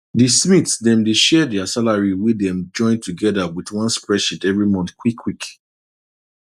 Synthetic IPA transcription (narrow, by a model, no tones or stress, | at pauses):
dismitsdɛ̃mdeʃɛdɛasalaɹiwidɛ̃md͡ʒɔ̃ɪ̃ntʰuɡɛðawiðwɔ̃nspɹɛʃitɛvɹimɔ̃nθkʰwikʰwik